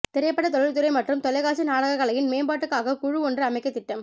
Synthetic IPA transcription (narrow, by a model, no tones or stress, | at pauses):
t̪ɪɾɐjɐpːɐɽɐt̪ɔɻɪɾt̪ːɯɾɐɪmɐʈrɯmt̪ɔlɐɪɣaːsɯnaːɽɐɣɐɣɐɭɐjɪnmeːmbaːʈːɯkːaːɣɐkʊɻʊɔndrɯɐmɐɪkːɐt̪ːɪʈːɐm